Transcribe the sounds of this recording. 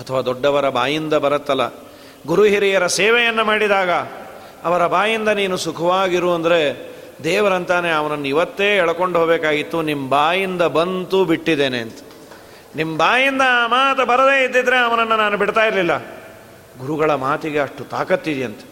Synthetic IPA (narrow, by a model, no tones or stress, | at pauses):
ɐt̪ʰɐʋaːd̪ɔɖːɐʋɐɾɐbaːjind̪ɐbɐɾɐt̪ːɐlːɐ̰ | ɡuɾuɦiɾijɐɾɐseːʋɛjɐnːɐmaːɽid̪aːɡɐ | ɐʋɐɾɐbaːjind̪ɐniːnusukʰɐʋaːɡiɾuːɐnd̪ɐɾe̞ | d̪ɛːʋɐɾɐnt̪aːneɐʋɐnɐnːuiʋɐt̪ːeːɛɭɐko̞ɳɖɦoːbɛːkaːɡit̪ːunimbaːjind̪ɐbɐnt̪ubiʈːid̪eːneɐnt̪ɐ̥ | nimːbaːjind̪ɐmaːt̪ɐbɐɾɐd̪e̞ːid̪ːid̪ɐɾe̞ɐʋɐnɐnːɐnaːnubiɽt̪aːjiɾlilːɐ | ɡuɾuɡɐɭɐmaːt̪iɡe̞ɐʂʈut̪a̰ːkɐt̪ːid̪ɛjɐnt̪ɐ̥